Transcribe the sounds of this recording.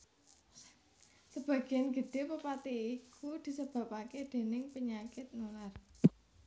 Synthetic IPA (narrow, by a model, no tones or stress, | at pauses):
səb̥ä̤ɡ̥e̤anɡ̥ə̤ɖ̪̥e̤pəpat̪iikʰud̪̥i̤səb̥ä̤paked̪̥e̤nɪŋpəɲakɪt̪̚nular